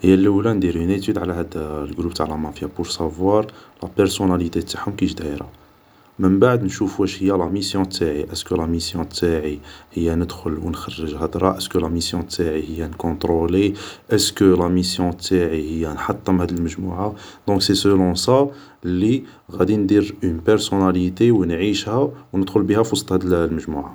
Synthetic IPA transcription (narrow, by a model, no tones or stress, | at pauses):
həjːælːəwlænd̪iɾynet̪yd̪ʕlæhæd̪lɡɾub̚t̪aʕlæmɑfjapʊɾsavwɑɾˤlæ̰pəɾsonælit̪et̪ːḁħhʊmkiʃd̪æjɾɑ̰ | mənbaʕd̪nʃufuæʃhəjːælæmisjɔ̃t̪ːaʕiʔəskəlæmisjɔ̃t̪ʰːaʕihəjːænəd̪xʊlwənxɑrˤːəʒhæd̪ɾˤɑʔəskəlæmisjɔ̃t̪ʰːaʕihəjːænkɔ̃t̪ɾoleʔəskəlæmisjɔ̃t̪ːaʕihəjːænħɑt̪ˤːəmhæd̪əlməʒmuʕad̪ɔ̃ksesəlɔ̃sa | lːi | ɣæd̪ind̪iɾynpɛɾsonælit̪ewnʕiʃhæwnəd̪xʊlbihæfɑst̪hæd̪lməʒmuʕa̰